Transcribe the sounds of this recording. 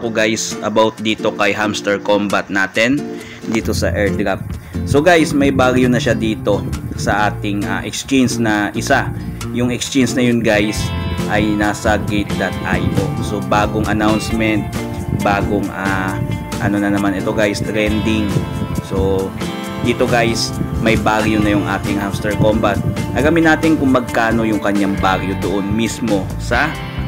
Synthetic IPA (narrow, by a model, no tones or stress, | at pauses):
koɡajsʔɐbawt̪̚d̪iːt̪o̞kɐjɦamst̪ɛɹkombɐt̪̚naːt̪ɛn | d̪iːt̪o̞sɐ̰ʔɛɹd̪ɾap̚so̞ɡajsmɐjbaɡjonɐʃad̪iːt̪o̞sɐʔaːt̪ɪŋʔɐ̰ʔɛkst͡ʃɛnsnɐʔɪsa | jʊŋɛkst͡ʃɛnsnɐjʊnɡajsʔɐjnasɐɡɪt̪̚d̪ɐt̪̚ʔa̰jʔo̞so̞baːɡoŋʔɐnawnsmɛnt̪̚ | baːɡoŋʔaʔɐ̰no̞nɐnɐmanɛt̪o̞ɡajst̪ɾɛnd̪ɪŋso | d̪ɪt̪oɡajsmɐjbaːɡjonɐjʊŋʔa̰ːt̪ɪŋhamst̪ɛɹkombat̪̚ʔɐɡamɪnaːt̪ɪnkʊŋmɐɡ̚kaːno̞jʊŋkɐɲaŋbaɡjod̪oʔonmismo̞ | sɐ